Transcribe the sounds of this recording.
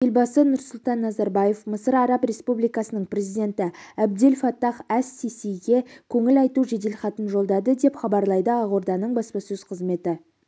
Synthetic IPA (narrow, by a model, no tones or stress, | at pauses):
jelbɑsənʊɾsʊlˠt̪ɑnːɑzɑɾbɑje̞fməsəɾɑɾɑprʲe̞spublijkɑsənəɴprʲe̞zijd̪e̞nt̪ɪæb̚d̪e̞lʲfɑt̪ːɑχæsːesejɡʲe̞kʲʰɵŋɪlɑjt̪uʒed̪e̞lχɑt̪ənʒo̞lˠd̪ɑd̪əd̪e̞pχɑbɑɾlˠɑjd̪əɑʁoɾd̪ɑnəɴbɑspɑsɵz̥qʰəzme̞t̪ɪ